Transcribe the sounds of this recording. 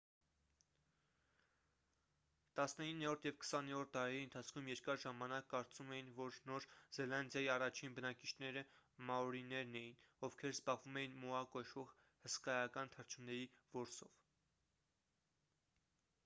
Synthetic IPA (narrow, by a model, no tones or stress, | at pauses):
t̪ɑsnəinːɛɾɔɾt̪ʰjɛvkə̥sɑnɛɾɔɾt̪̚ʰt̪ɑɾɛɾiənt̪ʰɑt͡sʰkʰumjɛɾkɑɾʒɑmɑnɑkːɑɾt͡sumɛjinvɔɾnɔɾzɛlɑnd̪jɑjiɑrɑt͡ʃʰinbənɑkit͡ʃʰnɛɾəmɑɔɾinɛɾnɛjinɔvkʰɛɾzbɑʁvumɛjinmɔɑkɔʃɔʁ | həskɑjɑkɑnt̪ʰəɾt͡ʃʰunɛɾivɔɾsɔv̥